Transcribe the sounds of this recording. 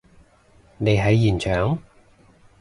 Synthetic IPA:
ne˨˧jɦɐ˨˧jːiː˨˩nt͡ʃʰœː˨˥ŋ

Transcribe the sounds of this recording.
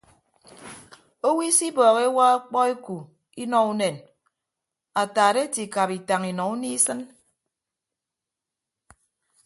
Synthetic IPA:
o˦wi˦si˦bɔː˨ɣe˦wa˦a˦k͡pɔ˦e˦ku˨ | i˦nɔ˦u˦ne˨n | a˨taː˨de˦ti˨ka˨pi˨ta˨ŋi˨nɔ˨u˦ni˦sɨ˦n

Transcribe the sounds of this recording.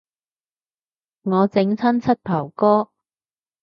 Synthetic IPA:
ŋɔː˨˧t͡sɪ˨˥ŋt͡sʰɐ˥nt͡sʰɐ˥t̚pʰɐ˨˩wkɔː˥

